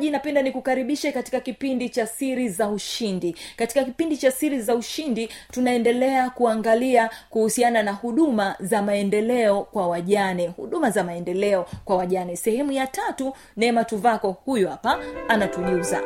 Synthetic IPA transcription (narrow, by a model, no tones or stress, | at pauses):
ʄinapɛndanikukaɾiɓiʃɛkati̥kakipindit͡ʃasiɾizauʃindikati̥kakipindit͡ʃasiɾizauʃinditunaɛndɛlɛakuaŋɡaliakuhusiananahuɗumazamaɛndɛlɛɔkwawaʄanɛhṵɗumazamaɛndɛlɛɔkwawaʄanɛsɛhɛmujatatu | nɛmatuvakɔhujuhapaanatuʄuza̰